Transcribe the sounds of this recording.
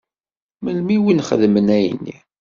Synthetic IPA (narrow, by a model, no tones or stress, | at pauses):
məlmiwinχə̰ðmənæjənːḭ